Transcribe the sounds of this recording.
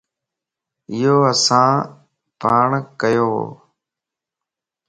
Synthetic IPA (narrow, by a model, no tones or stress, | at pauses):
ɪjoːəsãː | paːɳkəjoːɦo̰ː